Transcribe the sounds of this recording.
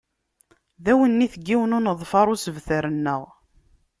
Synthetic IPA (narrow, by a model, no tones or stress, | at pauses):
ðæwənːiθəɡːiwənʊnəðˤfɑɾˤʊsəvθəɾənːəʁ